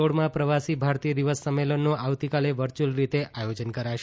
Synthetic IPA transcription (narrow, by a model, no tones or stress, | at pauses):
oɽmãpɾəʋasibʱaɾt̪ijəd̪iʋəsːəmːelənːoʔaʋt̪ikaleʋəɾt͡ʃulɾit̪eʔajod͡ʒənkəɾaʃ